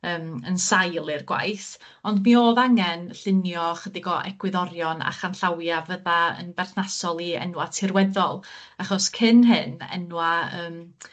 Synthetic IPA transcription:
əːmənsajlˠɪrɡwa̰jθ | ɔndmioːðaŋɛnɬɪnjɔχədɪɡɔʔɛ̰ɡwɪðɔɾjɔna̰χanɬawjavəðaə̰nbɛrθnasɔlˠiɛ̰nwatʰɪrwɛðɔlˠaχɔskʰɪnɦɨnɛ̰nwaəːm

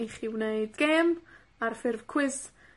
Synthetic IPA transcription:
iχiwneɨdɡ̥ɛm | arfɪrvkʰw̥ɪs

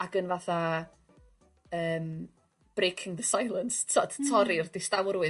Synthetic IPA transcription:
aɡənvaθa | əːm | b̥rejkʰɪ̃ŋðəsajlˠənstʰɔdtʰɔɾirdɪstawɾwɨ

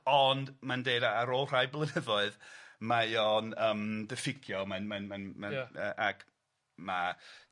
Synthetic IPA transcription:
ɔndmandeɨdaaɾoːlˠr̥ajblˠənəvɔɨðmajɔnəːmdəfɪkʰjɔmanmanmanmaəːʔaɡ̥ | ma

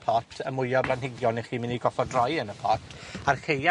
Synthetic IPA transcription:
pʰɔtʰəmʊjɔblˠanhɪɡjɔnɛχiːmɪniɡɔfɔdrɔjənəpʰɔtʰarkeja

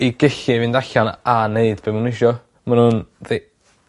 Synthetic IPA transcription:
iɡɪɬɪvɨndaɬananeɨdbemunɪʃɔ | manunði

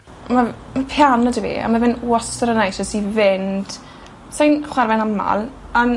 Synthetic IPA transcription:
ma | mapʰjanədəvḭːa̰mavɪnosəɾənajsɔsivɪnd̥ | sajnχwarvɛnama̰lˠ | an

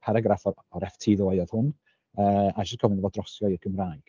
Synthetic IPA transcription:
pʰaɾaɡɾafɔ | ɔɾɛftʰiːðʊajɔð̥hʊn | əːaʃɔ̥kʰɔvənɔvɔdrɔsjɔirɡʰəmraːɡ̥

